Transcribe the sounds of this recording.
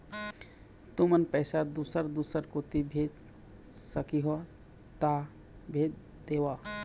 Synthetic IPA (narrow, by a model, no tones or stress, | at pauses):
t̪umənpəɪsad̪usəɾd̪usəɾkot̪ibʱed͡ʒ | səkiɦo | t̪a | bʱed͡ʒ | d̪ewa